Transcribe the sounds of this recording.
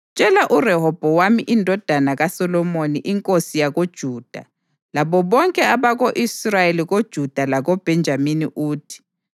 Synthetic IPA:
t͡ʃʼɛlaʔurɛɦɔb̥ʱɔwamiʔindʱɔd̥ʱanaɣasɔlɔmoniʔiŋkʼosijaɣod̥ʒ̥ʱuːd̥ʱa̰ | laβɔβɔŋkʼɛaβaɣoʔisrajeliɣod̥ʒ̥ʱud̥ʱalaɣɔb̥ʱɛnd͡ʒʱaminiʔuːtʰi̥

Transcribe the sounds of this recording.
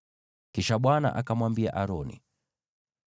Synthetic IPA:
kiʃaɓwana̰ʔakamwambia̰ʔaɾɔnḭ

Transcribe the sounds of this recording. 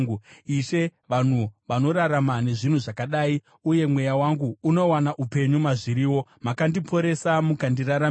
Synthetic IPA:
uiʃe̞ʋan̤uʋano̞ɾaɾamane̞ʐin̤uʐakaɗaːi | uje̞mwe̞jawaŋɡuːno̞wanaʔupe̞ɲumaʐiɾiːwo̞makandipʰo̞ɾe̞samukandiraɾa

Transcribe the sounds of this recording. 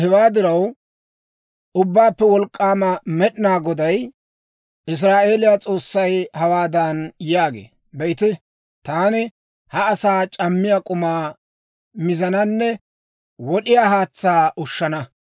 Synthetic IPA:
hɛwaːd̪ɪɾɐw | ʔʊbːaːpːɛwɔlkʼːaːmɐmɛɗɪnaːɡɔd̪ɐj | ʔɪs̬ɾaːʔe̞ːlɪjat͡sʼo̞ːsːɐjhɐwaːd̪ɐnjaːɡḛː | bɛɪt̪ɪ | t̪aːnɪ | hɐːsaːt͡ʃʼɐmːɪjaːkʼʊmaː | mɪzɐnɐnːɛ | wɔɗɪjaːɦaːt͡sːaːʔʊʃːɐnɐ

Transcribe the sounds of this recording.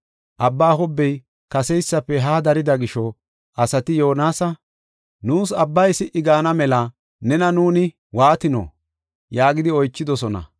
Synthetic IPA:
ʔɐbːaːɦɔbːɛj | kɐsɛjsːɐpːɛɦaːd̪ɐɾɪd̪ɐɡɪʃɔ | ʔɐsɐt̪ɪjo̞ːnaːsɐ | nuːsɐbːɐjsɪʔɪɡaːnɐmɛlɐ | nɛnɐnuːnɪ | waːt̪ɪnɔ̰ | jaːɡɪd̪ɪɔjt͡ʃːɪd̪ɔsɔnɐ̰

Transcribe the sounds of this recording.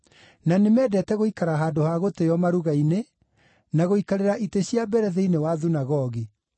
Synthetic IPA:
nanemɛːdɛtɛɣoikaɾaɦaːdohaɣotejɔmaɾuɣaine | naɣoikaɾeɾaʔiteɕiabɛɾɛðeinewaðunaɣɔɣi

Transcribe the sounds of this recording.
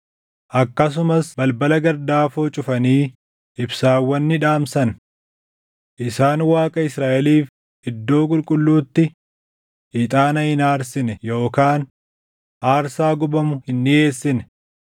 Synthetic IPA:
ʔɐkːɐs̬ʊmɐsbɐlbɐlɐɡɐɾd̪aːfoːt͡ʃʼʊfɐniː | ɪbsaːwːɐnːɪᶑaːmsɐn | ʔɪsaːnwaːkʼɐɪsɾaːʔɛliːf | hɪd̪ːo̞ːkʼʊlkʼʊlːuːt̪ːɪ | ʔɪt̪ʼaːnɐhɪnaːɾsɪnɛjo̞ːkaːn | ʔaːɾsaːɡʊbɐmʊhɪnːɪe̞ːsːɪnɛ

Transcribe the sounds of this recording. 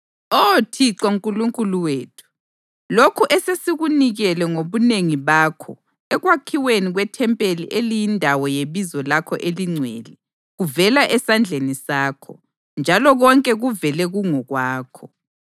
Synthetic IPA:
otʰiǀauŋkʼuluŋkʼuluweːtʰu̥ | lokʰuʔɛsesiɣuniɣɛlɛŋoβuneŋiβaːkʰɔ̰ | ɛɣwakʰiweniɣwɛtʰɛmpʼeliʔelijindʱawɔjeβizɔlakʰɔʔeliŋ͡ǀʱwɛlɛ | ɣuvɛlaʔɛsand͡ɮʱenisaːkʰɔ | nd͡ʒʱalɔɣɔŋkʼɛɣuvɛlɛɣuŋɔɣwaːkʰɔ

